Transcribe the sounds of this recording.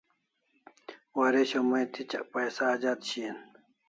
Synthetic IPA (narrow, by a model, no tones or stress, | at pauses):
waɾeɕomɐjt̪ʰit͡ɕɐ̰ʔpɐjsaːd͡ʑat̪ɕin